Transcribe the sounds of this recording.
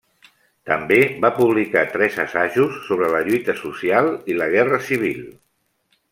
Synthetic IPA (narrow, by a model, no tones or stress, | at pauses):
t̪əmbeβapuβ̞likat̪ɾɛzəsaʒusːoβɾələʎujt̪əsusialˠiləɣ̞ɛrəsiβ̞ilˠ